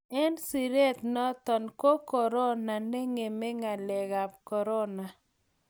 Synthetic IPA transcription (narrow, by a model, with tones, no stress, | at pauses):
ɛ˦nsi˨ɾe˦t̪nɔ˦t̪ɔ˨nko˦kɔ˨ɾɔ˦na˨ne˦ŋe˨me˦ŋa˨lɛ˨ɣa˨p̚kɔ˨ɾɔ˦na˨